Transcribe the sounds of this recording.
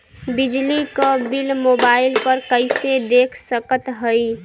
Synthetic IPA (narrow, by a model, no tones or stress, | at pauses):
bid͡ʒlikəbilmobailpəɾkəɪsed̪ekʰsəkət̪ɦəɪ